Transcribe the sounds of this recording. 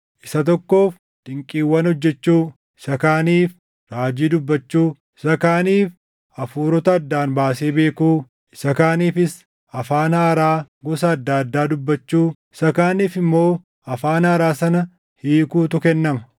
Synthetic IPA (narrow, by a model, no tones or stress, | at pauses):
ʔɪsɐt̪ɔkːo̞ːf | t̪ʼɪŋkʼiːwːɐnhɔd͡ʒːɛt͡ʃːuː | ɪsɐkaːniːf | ɾaːd͡ʒiːd̪ʊbːɐt͡ʃːuː | ɪsɐkaːniːf | ɐfuːɾɔt̪ɐːd̪ːaːnbaːseːbe̞ːkuː | ɪ̥sɐkaːniːfɪs | ɐfaːnɐːɾaː | ɡɔs̬ɐːd̪ːaːɐd̪ːaːd̪ʊbːɐt͡ʃːuːɪsɐkaːniːfɪmːo̞ː | ɐfaːnɐɐɾaːsɐnɐ | hiːkuːt̪ʊkɛnːɐmɐ